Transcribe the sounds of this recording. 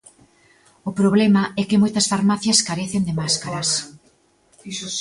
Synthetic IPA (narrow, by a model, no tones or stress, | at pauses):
ʊpɾoβlemaɛkɪmojt̪ɐsfaɾmaθjɐskaɾeθend̪emaskaɾas